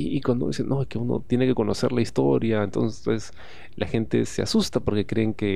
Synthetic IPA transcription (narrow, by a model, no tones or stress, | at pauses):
iikwand̪o̰iseno̞eske̞uno̞̰t̪je̞ne̞ke̞ko̞no̞se̞ɾlaist̪o̞ɾjaent̪o̞̰nses | lʔaxe̞nt̪e̞se̞a̰sust̪apo̞ɾke̞kɾe̞ːŋke̞